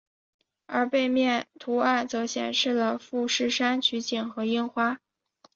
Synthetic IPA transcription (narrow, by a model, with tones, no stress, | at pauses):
ə˞˧˥pe˥˧ɪmjɛ˥˩nt̪ʰu˧˥a˥˩nt͡sɤ˧˥ɕjɛ̰˨˩nʂɻ̩˥˩lə˩fu˥˧ʂɻ̩˥˩ʂa˥nt͡ɕʰy˧˥t͡ɕi˨˩ŋxɤ˧˥i˥ŋxwa˥